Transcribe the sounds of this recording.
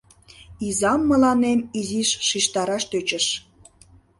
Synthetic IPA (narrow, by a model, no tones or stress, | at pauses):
izɑmːəlɑnemiziʃːiʃt̪ɑɾɑʃt̪øt͡ɕəʃ